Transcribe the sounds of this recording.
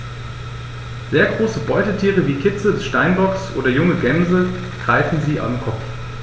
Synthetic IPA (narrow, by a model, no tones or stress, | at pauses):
z̥eːɐɡʁoːsəbɔʏtətʰiːʁəviːkʰɪt͡sədɛsʃtaɪnbɔksʔo̰ːdɐjʊŋəɡɛmzə | ɡ̥ʁ̥aɪfn̩ziːʔa̰ʊmkʰɔp͡f